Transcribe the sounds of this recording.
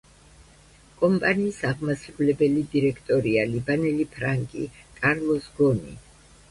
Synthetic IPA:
kʼɔmpʼaniːsaʁmasɾkʼlɛbɛlid̪iɾɛkʰt̪ʼɔɾialibanɛlipʰɾaŋkʼḭkʼaɾlˠɔsɡɔnḭ

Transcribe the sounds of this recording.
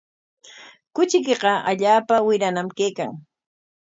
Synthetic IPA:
kʊt͡ʃɪk̬eqɑaʎaːpawɪɾanamkeːka̰ŋ

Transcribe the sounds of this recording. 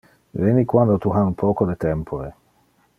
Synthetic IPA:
veːnikwand̪ot̪uɦaupʰɔːkod̪et̪ɛmpʰoɾe

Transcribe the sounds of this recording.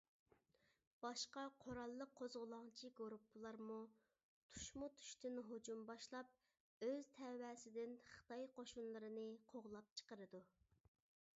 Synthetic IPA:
b̥ɑʃqɑqʰoɾɑlˠːəqʰːozʁʊlˠɑŋt͡ʃʰiɡoɾupʰːlˠɑɾmu | t̪ʰu̥ʃmut̪ʰy̥ʃt̪ɪnɦod͡ʒumbɑʃlˠɑp̚ | øz̥t̪ʰɛwɛsɪd̪ɪnχə̥t̪ʰɑjqʰoʃunlˠɨɾɨnɨqʰoʁlˠɑp̚t͡ʃʰə̥qəɾɨd̪u

